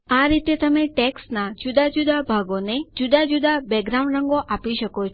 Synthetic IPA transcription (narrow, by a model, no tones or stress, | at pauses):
aɾit̪et̪əmeʈeksnad͡ʒud̪ad͡ʒud̪abʱaɡoned͡ʒud̪ad͡ʒud̪abɛɡɾaʊ̃ɳɖɾəŋɡoʔapiʃəko